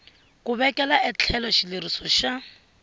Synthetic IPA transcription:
kʊβɛkʼɛlaʔɪt͡ɬʰɛlɔʃilɪɾisɔʃa

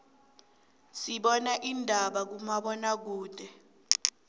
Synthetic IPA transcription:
siɓɔnaʔindʱaɓak̬umaɓɔnak̬uːd̥ʱɛ

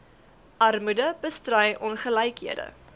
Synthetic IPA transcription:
ʔɐrmudəbəstrœjʔɔnχəlɛjkɦiədə̰

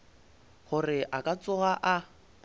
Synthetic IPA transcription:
χʊrɪʔakʼat͡sʼʊɣaʔa

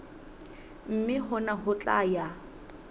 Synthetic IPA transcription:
m̩mɪɦʊnaɦʊt͡ɬʼa̰ja

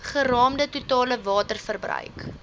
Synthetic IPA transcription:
χərɑːmdətutɑːləvɑːtərfərbrœ̰ɥk

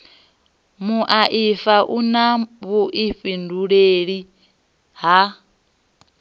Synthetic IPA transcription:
muʔaʔifaʔunaβuʔiɸinduɺeɺi | ɦa

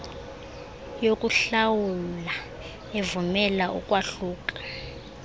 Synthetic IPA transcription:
jokʼuɬawula | evumɛlaʔṵkʼwaɬuːkʼḁ

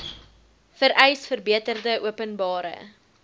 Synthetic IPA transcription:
fəɾʔɛjsfərbiətərdəʔuəpənbɑːɾə̰

